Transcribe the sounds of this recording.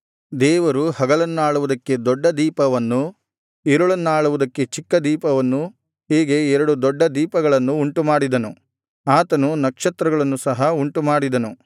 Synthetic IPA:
d̪ɛːʋɐɾuhɐɡɐɭɐnːuaːɭuʋud̪ɐkːe̞d̪ɔɖːɐd̪iːpɐʋɐnːu | iɾuɭɐnːuaːɭuʋud̪ɐkːe̞t͡ʃikːɐd̪iːpɐʋɐnːu | ɦeːɡeɛɾɐɽud̪ɔɖːɐd̪iːpɐɡɐɭɐnːuːɳʈumaːɽid̪ɐnu | aːt̪ɐnunɐkʂɐt̪ɾɐɡɐɭɐnːusɐɦɐuɳʈumaːɽid̪ɐnu

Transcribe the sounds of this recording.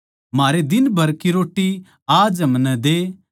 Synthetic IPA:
maːɾed̪ɪnbʱɐɾkiɾoːʈːi | aːd͡ʒɐmnɛ̃d̪eː

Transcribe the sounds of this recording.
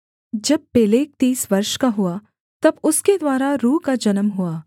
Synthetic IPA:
d͡ʒɐb̚ːeːleːk̚t̪iːsʋɐɾʃkaɦʊa | t̪ɐbʊsked̪waːɾaɾuːkad͡ʒɐnəmɦʊaː

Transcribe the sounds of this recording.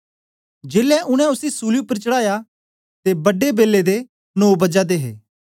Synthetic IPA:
d͡ʒeːlɛʔʊɽ̃ɛ̃ʊsisuːljupəɾt͡ʃəɽaːja | t̪ebɐɖebeːlːed̪e | noːbɐd͡ʒad̪eːɦḛː

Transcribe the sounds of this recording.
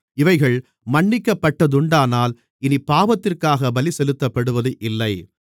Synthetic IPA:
ɪʋɐɪɣɐɭ | mɐɳːɪkːɐpːɐʈːɐðʊɳɖaːnaːl | ɪnipːaːʋɐt̪ːɪrkaːɣɐbɐlisɛlɯt̪ːɐpːɐɽɯʋɐðɯʔɪlːɐɪ

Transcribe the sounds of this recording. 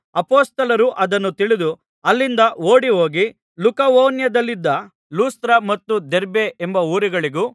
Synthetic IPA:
ɐpoːst̪ɐlɐɾuʔɐd̪ɐnːut̪iɭid̪u | ɐlːind̪ɐoːɽiɦo̞ːɡi | lukɐʋoːnjɐd̪ɐlːid̪ːɐ | luːst̪ɐɾɐmɐt̪ːud̪eɾbeembɐuːɾiɡɐɭiɡu

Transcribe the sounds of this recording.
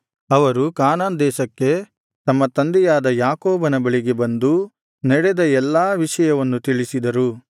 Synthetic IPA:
ɐʋɐɾukaːnaːnd̪ɛːʃɐkːe̞ | t̪ɐmːɐt̪ɐnd̪ɛjaːd̪ɐjaːkoːbɐnɐbɐɭiɡe̞bɐnd̪u | nɛɽed̪ɐɛlːaːʋiʂɐjɐʋɐnːut̪iɭisid̪ɐɾu

